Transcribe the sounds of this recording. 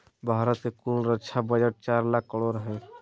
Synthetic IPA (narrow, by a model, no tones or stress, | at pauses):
bʱaɾət̪kekulɾəkt͡ʃʰabəd͡ʒəʈ̚t͡ʃaɾlakːəɽoɾəɦɛ